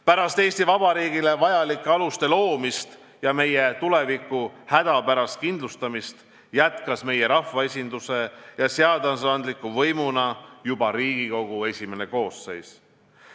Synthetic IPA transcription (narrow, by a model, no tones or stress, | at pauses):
pæɾɑst̪e̞ːsʲt̪ivɑbɑɾiːɡile̞vɑjɑlikˑːeɑlust̪e̞lo̞ːmist̪ | jɑme̞jet̪ule̞vikːˑuhæd̪̥ɑpæɾɑst̪̚kind̪lust̪ɑmist̪ | jæt̪kɑsme̞je̞ɾɑfvɑe̞sʲind̪use̞jɑseɑd̪ɑnsɑnd̪likːˑuvɤjmunɑjubɑɾiːɡ̥iko̞ɡ̥ue̞sʲime̞ne̞ko̞ːsːe̞js